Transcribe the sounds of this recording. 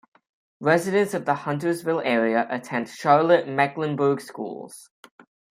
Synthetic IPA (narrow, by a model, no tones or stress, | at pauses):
ɹɛzɪɾə̃nsəvðəhʌ̃ntəzvɪlˠɛːɹiəʔətʰɛ̃ntʃɑɹləʔmɛɡlə̃nbəːɡskṵːlˠz̥